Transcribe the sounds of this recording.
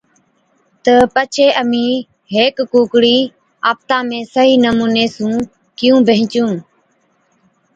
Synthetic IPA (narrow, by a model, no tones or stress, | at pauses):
t̪əpət͡ʃʰeːʔəmĩː | ɦeːkːuːkɽiː | aːp̚t̪ãːmẽːsəɦiːnəmuːneːsũː | kɪjũːbʱəɦɪ̃t͡ʃũː